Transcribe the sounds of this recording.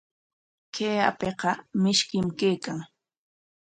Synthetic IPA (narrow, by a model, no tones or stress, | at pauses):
kʰeːa̰peqɑmɪʃkɪmkeːkaŋ